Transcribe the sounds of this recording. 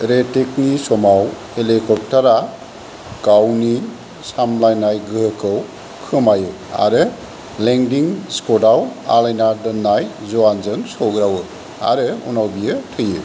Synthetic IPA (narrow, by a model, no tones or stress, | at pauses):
ɾeteknisɔmaw | elekɔp̚taɾa | kawni | samlajnajɡɯɦkʰɯw | kʰɯmajɯ | a̰ɾɯ | leŋdiŋskɔdawa̰lajnadɯnːajzɔwanzɯŋsɔwɡɾawɯ | a̰ɾɯṵnawbijɯtʰɯjɯ̰